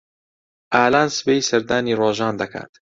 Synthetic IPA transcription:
ʔaːlaːnsɨbeːjsɐɾd̪aːniːroːʒɑːnd̪ɐkʰa̰ːt̪

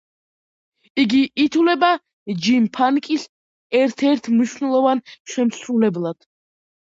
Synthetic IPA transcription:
iɡiʔːt̪ʰulɛba | d͡ʒimpʰankʼis | ɛɾt̪ʰɛɾt̪ʰmniʃnɛlˠɔvanʃɛmsɾulɛblˠad̪̥

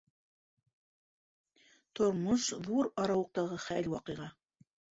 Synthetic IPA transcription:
t̪ŏɾmoʃðuɾɑɾɑwɤ̆q̚t̪ɑʁɤχælwɑqɤ̆jʁɑ

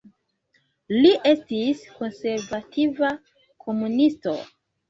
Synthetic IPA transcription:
liʔe̞stisko̞nse̞ɾvatʰiva | kʰo̞munisto̞̰

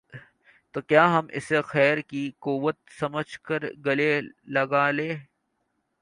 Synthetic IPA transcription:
t̪oːkjaːɦɐmʔɪ̰sexɛːɾkikuːʋət̪̚sɐməd͡ʒʱkəɾɡɐlelɐɡaːleː

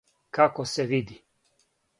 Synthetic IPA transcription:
kakoseʋid̪i

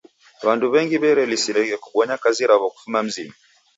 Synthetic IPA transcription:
wanduβɛŋɡiβɛɾɛlisiɾɛɣɛku̥ɓɔɲakaziɾaβɔku̥fumam̩zima

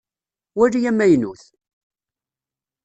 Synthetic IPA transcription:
wæɾijæmːæjnṵθ

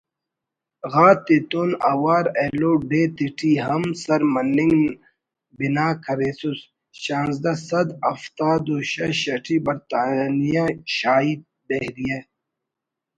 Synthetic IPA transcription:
ɣaːt̪it̪onɐwaːɾeːloːɖeːt̪iʈʰiɦɐmsɐɾmɐnːiŋɡ | binaːkʰɐɾeːsus | ɕãːnzd̪ɐsɐd̪ɐft̪aːd̪oɕɐɕɐʈʰibɐɾt̪aːnijaɕaːid̪̚ | d̪ehɾije

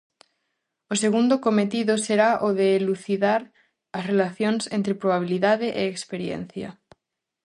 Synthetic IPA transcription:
oseɣ̞und̪okomet̪iðoseɾaʔoðeːluθiðaɾ | asrelaθjonsẽnt̪ɾepɾoβ̞aβ̞iliðaðeʔeːkspeɾjḛn̟θja̰

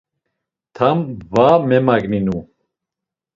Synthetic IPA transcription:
t̪ʰamvamɛmaɡninu

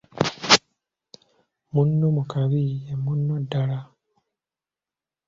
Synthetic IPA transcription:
munːomukaβiemunːodːala

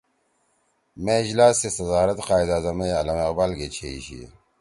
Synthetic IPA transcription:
meid͡ʑlaːsesɐzaːɾɐt̪qaːid̪aːzɐmejɐlɐmeqbaːlɡet͡ɕʰeiɕḭ

